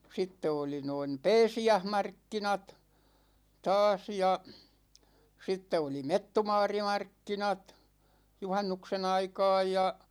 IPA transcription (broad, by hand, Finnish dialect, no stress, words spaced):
sitːe oli noin̞ pɛːsiæhmɑrkːinɑt tɑːs jɑ sitːe oli metːumɑːrimɑrkːinɑt juhɑnːuksen ɑikɑ̝ːj jɑ